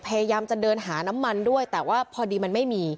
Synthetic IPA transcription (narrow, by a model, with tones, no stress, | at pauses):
pʰa˧ja˧jaː˧mt͡ɕa˨˩dɤː˧nɦaː˩˦na˦˥mːa˧ndu˥˩əjt̪ɛː˨˩waː˥˩pʰɔː˧diː˧ma˧nma˥˩jmiː˧